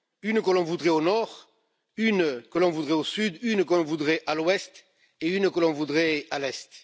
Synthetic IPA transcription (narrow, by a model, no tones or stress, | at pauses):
ynkəlɔ̃vud̪ʁeonɔʁ | ynkəlɔ̃vud̪ʁeosyd̪ynkəlɔ̃vud̪ʁeʔalwɛst̪ | eynkəlɔ̃vud̪ʁealɛst̪